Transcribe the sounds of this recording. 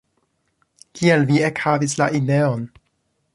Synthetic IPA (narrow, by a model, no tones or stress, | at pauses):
kielviekhavislaʔideo̞n